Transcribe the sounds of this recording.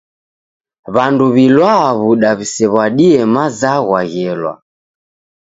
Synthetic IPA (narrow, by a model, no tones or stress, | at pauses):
βanduβilwaβuɗaβisɛβwaɗiɛmazaɣwaɣɛlwa̰